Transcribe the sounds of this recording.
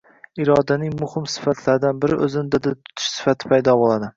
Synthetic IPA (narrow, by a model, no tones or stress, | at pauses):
ɪɾɒd̪anɪŋmʊhɪmsɪ̥fat̪ʰlaɾd̪anbɪɾɪʔɵzɪnd̪ad̪at̪ʰʊ̥t̪ʰɪ̥ʃsɪ̥fat̪ʰɪ̥pʰajd̪ɒbolˠad̪ɪ